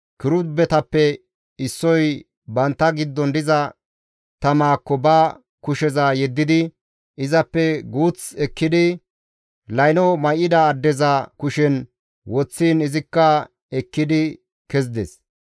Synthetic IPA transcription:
kɪɾʊbɛt̪ɐpːɛ | ɪsːɔj | bɐnt̪ːɐɡɪd̪ːɔnd̪ɪzɐ | t̪ɐmaːkːɔbɐ | kʊʃɛzajɛd̪ːɪd̪ɪ | ʔɪzɐpːɛɡuːt͡sɛkːɪd̪ɪ | lɐjnɔmɐjɪd̪ɐːd̪ːɛzɐkʊʃɛn | wɔt͡sːiːnɪzɪkːɐ | ɛkːɪd̪ɪ | kɛzd̪ɛs

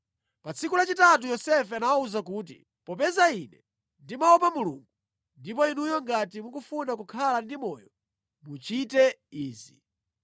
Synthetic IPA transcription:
pat͡sʰikulat͡ʃitat̬ujɔsɛfɛanawauzakuːt̬ḭ | pɔp̬ɛzainɛ | ndimaɔpamuluŋɡu | ndip̬ɔinujɔŋɡatimukufunakukʰalandimɔjɔ | mut͡ʃitɛiːzi

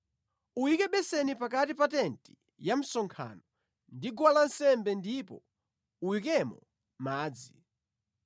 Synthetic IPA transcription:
uwikɛɓɛsɛnipakatipatɛnti̥ | jam̩sɔŋkʰa̰nɔ | ndiɡwalansɛmbɛndipɔ | uwikɛmɔ̰ | maːd͡zi

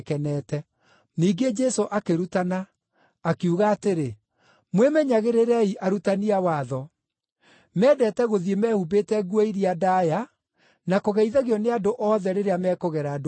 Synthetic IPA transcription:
kɛnɛtɛ | niːɡed͡ʒɛsoʔakeɾutanaː | kiuɣaːteɾe | mwemɛɲaɣeɾeɾɛiʔaɾutaniawaðɔ | mɛːdɛtɛɣoðiemɛhubetɛɡuɛiɾiadaja | nakoɣɛiðaɣeɔneadoʔɔðɛɾeɾeamɛːkoɣɛɾaːdo

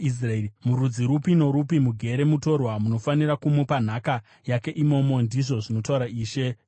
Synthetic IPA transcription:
is̬raeimuɾud͡ziɾupino̞ɾupimuɡʱe̞ɾe̞muto̞rwamuno̞fanirakumupan̤aka | jake̞ʔimo̞mo̞ndiʐo̞ʐino̞tauɾaʔiːʃe̞

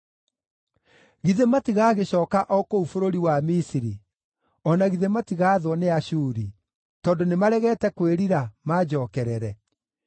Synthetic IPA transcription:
ɣiðematiɣaːɣeɕɔːkaʔɔkoufoɾoɾiwamisiɾi | ɔnaɣiðematiɣaːðwɔneaɕuːɾi | tɔndonemaɾɛɣɛtɛkweɾiɾamad͡ʒɔːkɛɾɛɾɛ

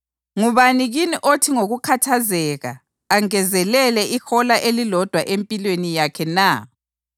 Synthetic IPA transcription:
ŋuβaniɣiniʔotʰiŋoɣukʰatʰazɛːɣa̰ | aŋɛzɛlɛlɛʔixɔlaʔelilɔd̥ʱwaʔempʼilwenijakʰɛna

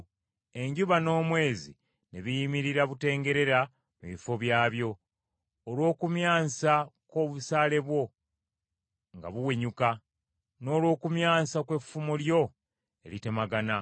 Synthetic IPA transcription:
e̞ɲɟuβano̞ːmwe̞ːzḭ | neβijimiɾiɾaβute̞ːŋɡe̞ɾe̞ɾa | mṵβifo̞βjaːβjo̞ː | lwo̞ːkumjaːsako̞βusaːle̞βwo̞ | ŋɡa̰βuweɲuka | no̞ːlwo̞ːkumjaːsakwe̞fumuljo̞ | e̞̰lite̞maɡana

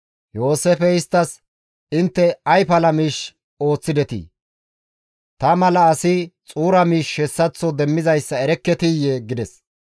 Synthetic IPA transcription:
jo̞ːsefɛɪst̪ːɐs | ɪnt̪ːɛɐjpɐlɐmiːʃ | o̞ːt͡sːɪd̪ɛt̪ḭ | t̪ɐmɐlɐːsɪt͡sʼuːɾɐmiːʃhɛsːɐt͡sːɔd̪ɛmːɪzɐjsːɐɛɾɛkːɛt̪ɪjeɡɪd̪ɛs

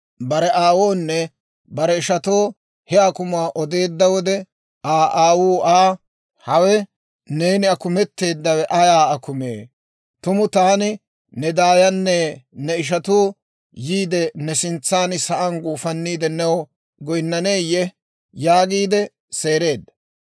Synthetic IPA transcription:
bɐɾɛʔaːwoːnːɛ | bɐɾɛɪʃɐt̪oː | hɛakʊmaːʔɔd̪e̞ːd̪ːɐwɔd̪ɛ | aːʔaːwuːaː | hɐwɛ | ne̞ːnɪɐkʊmɛt̪ːe̞ːd̪ːɐwɛʔɐjaːɐkʊmḛː | t̪ʊmʊt̪aːnɪ | nɛd̪aːjɐnːɛnɛɪʃ̬ɐt̪oː | jiːd̪ɛnɛsɪnt͡sːaːnɪsɐʔɐnɡuːfɐnːiːd̪ɛnɛwɔ | ɡɔjnːɐneːjɛ | jaːɡiːd̪ɛ | seːɾe̞ːd̪ːɐ̥

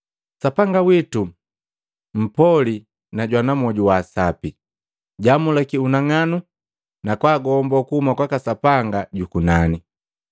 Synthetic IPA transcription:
sapaŋɡawitu | m̩pɔli | naɟwanamɔɟuwaːsapi | ɟamulɛkiunaŋanu | nakwaːɡɔmbɔkuhumakwakasapaŋɡaɟukunani

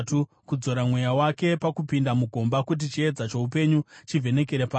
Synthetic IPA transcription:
tu | kud͡zo̞ɾamwe̞jawake̞pakupindamuɡʱo̞mbakut̬it͡ʃie̞d͡zat͡ʃo̞upe̞ɲut͡ʃivʱe̞ne̞keɾepaː

